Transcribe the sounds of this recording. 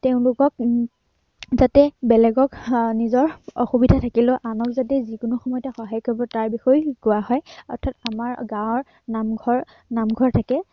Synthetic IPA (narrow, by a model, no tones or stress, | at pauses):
teʊ̃lʊkɔk | zatɛbɛlɛɡɔknizɔɹɔxubidʱatʰakilʊʔanɔkzatɛzikʊnʊxɔmɔjɔtɛxɔɦajkɔɹbɔtaɹbixɔjkʊwaɦɔjɔɹtʰatamaɹɡãwɔɹ | namɡʱɔɹ | namɡʱɔɹtʰakɛ